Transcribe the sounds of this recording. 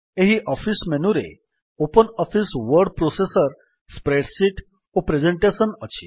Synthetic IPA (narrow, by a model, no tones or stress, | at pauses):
eɦiʔɔfismenuɾḛ | opənɔfisʋəɾɖpɾosesəɾ | spɾeʈsiʈ | ʋopɾed͡ʑeɳʈesənət͡ɕʰḭ